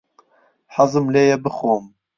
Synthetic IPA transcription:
ħɑzɨmleːjɛbɨxoːm

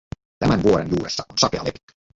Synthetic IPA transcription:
t̪æmænʋuo̞ɾenjuːɾesːɑʔonsɑkeɑlepi̥t̪ːy̥

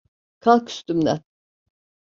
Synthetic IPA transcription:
kʰalˠkʰy̥st̪ymd̪ɛ

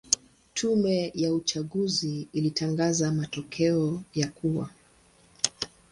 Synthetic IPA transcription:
tʰumɛjaut͡ʃaɠuziːlitʰaŋɡazamatɔkʰɛɔjakʰuwa̰

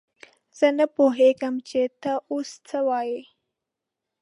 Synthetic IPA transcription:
zənəpoɦekəmt͡ɕet̪əʔust͡sʰəʋaje

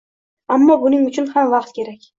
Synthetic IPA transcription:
amːɒbʊnɪŋʊt͡ʃʰʊnhamvɑqt̪̚kʲʰe̞ɾakʲ

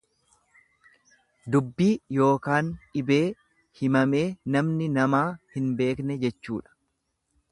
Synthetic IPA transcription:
d̪ʊbːiːjo̞ːkaːnɪbe̞ː | hɪmɐme̞ːnɐmnɪnɐmaːhɪnbe̞ːknɛd͡ʒɛt͡ʃːuːᶑɐ̥

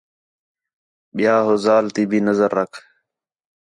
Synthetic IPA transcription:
ɓɪjaːɦoːzaːlt̪iːbʱiːnəzəɾːəkʰ

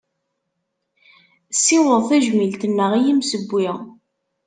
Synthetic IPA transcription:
sːɪwəðˤθæʒmilt̪ənːəʁijimsəbʷːɪʁ

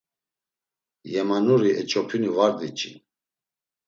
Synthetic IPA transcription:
jɛmanuɾiɛt͡ʃʼɔpʰinivaɾd̪it͡ʃʼḭn

